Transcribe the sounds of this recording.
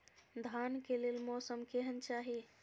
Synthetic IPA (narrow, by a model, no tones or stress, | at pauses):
d̪ʱankelelmɔsəmkeɦənt͡ʃaɦi